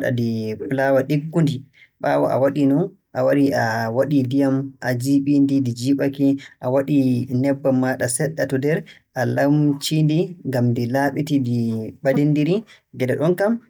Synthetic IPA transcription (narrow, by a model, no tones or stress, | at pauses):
ɗa̰diplawaɗiɡːundi | ɓaːwaʔa̰waɗinɔn | ʔawaɾiʔawaɗidijamʔad͡ʒiɓindidid͡ʒiɓakiʔawaɗinɛbːamːaɗasɛɗːatɔdɛɾ | ʔalamt͡ʃindiŋɡamdilaɓitidiɓadindiɾi | ɡɛdɛɗɔnkam